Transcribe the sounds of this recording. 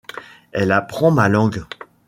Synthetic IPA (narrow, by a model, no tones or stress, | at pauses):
ɛlapχɑ̃malɑ̃ɡ